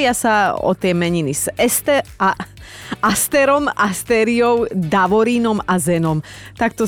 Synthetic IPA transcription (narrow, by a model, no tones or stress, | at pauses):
ɪasaɔ̰t̪jɛmɛɲiniz̥ɛst̪ɛ | ast̪ɛɾɔmast̪ɛːɾiɔʊd̪aʋɔɾiːnɔmazɛnɔmt̪ak̚t̪ɔ